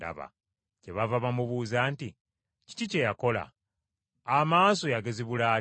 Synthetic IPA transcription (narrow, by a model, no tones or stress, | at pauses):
da̰βa̰ | ce̞βavaβamuβuzaːnti | ci̥cice̞jako̞la̰ | amaːso̞jaɡe̞ziβulaː